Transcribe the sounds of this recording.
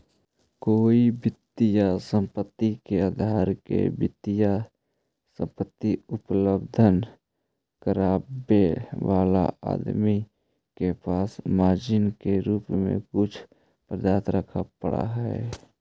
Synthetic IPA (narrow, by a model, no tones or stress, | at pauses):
koːibɪt̪ːijasə̃mpət̪ːikeəd̪ʱaːɾkḛbɪt̪ija | sə̰̃mpət̪ːiʊpləbd̪ʱən | kəɾaːbeʋaːla̰a̰ːd̪mi | kepaːsmaːd͡ʒɪnkeɾuːpmḛ̃kʊt͡ʃʰ | pɾəd̪aːt̪ɾəkʰapəɽa̰ɦɛe